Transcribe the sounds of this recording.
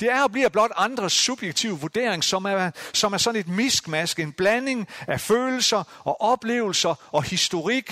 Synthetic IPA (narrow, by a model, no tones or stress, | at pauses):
d̥e̝æɐɒ̽b̥liɐ̰b̥lɒ̽d̥ɑ̈nd̥ʁɐsub̥jeɡ̥̚t͡sʰiʊ̰ʋuɐd̥e̝̰ɐ̰eŋsɒ̽msɒ̽mæɐsɒ̽n̩e̝d̥misɡ̥mæsɡ̥əe̝nb̥læne̝ŋæføːl̩sɐʔɒ̽ʔɒ̽b̥le̝̰ːʊl̩sɐʔɒ̽hisd̥o̝ʁiɡ̥